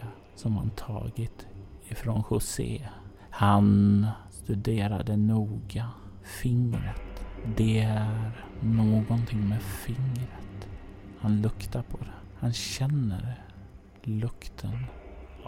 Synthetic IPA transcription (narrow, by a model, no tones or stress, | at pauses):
sɔmha̰nt̪ʰɑ̰ːɡɪt̪ | ɪfɾɔnɧʊsḛː | hanst̪ɵd̪eːɾa̰d̪ɛnuːɡa | fɪŋɾət̪d̪ɛæɾ | noːɡɔnt̪ʰɪŋːmeːfɪŋɾət̪hanlɵkt̪aɾpʰɔd̪ɛ | hanɕɛnːə̰ɾ | lɵkt̪ʰən